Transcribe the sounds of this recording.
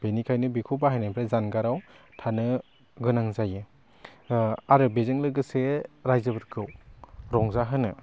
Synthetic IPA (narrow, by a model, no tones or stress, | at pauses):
b̥enikʰajnɯbikʰubaɦajnajbʰɾazanɡaɾaw | tʰanɯ | ɡɯnaŋzajɯ | aɾɯbezɯŋlɯɡɯseɾajzɯbɯɾkʰɯwɾɔŋzaɦɯnɯ